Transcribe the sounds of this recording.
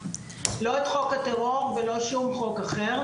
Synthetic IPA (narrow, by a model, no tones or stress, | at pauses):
lo̞et̪χo̞kat̪eʁo̞ʁvelo̞ʃumχo̞kaχe̞ʁ